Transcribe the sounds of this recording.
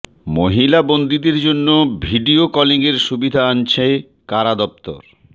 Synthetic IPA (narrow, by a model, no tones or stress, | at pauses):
moɦilabond̪id̪eɾd͡ʑonːobʱiɖiokɔliŋeɾʃubid̪ʱaant͡ɕʰe | kaɾad̪ɔp̚t̪o̰ɾ